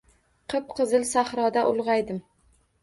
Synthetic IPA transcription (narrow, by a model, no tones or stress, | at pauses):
qʰɨp̚qʰɨzɨlsahɾɒd̪aʔʊlˠʁɑjd̪ɪm